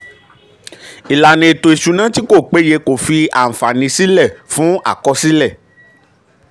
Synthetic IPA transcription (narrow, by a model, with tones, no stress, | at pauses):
i˨la˨nĩ˧e˨to˨i˨ʃu˧nã˦ti˦ko˦˨k͡pe˨˦je˧ko˨fi˧a̰˨m̩̃˨fa˨nĩ˧si˦lɛ˦˨fũ˦a̰˦˨kɔ˧˦si˦lɛ˦˨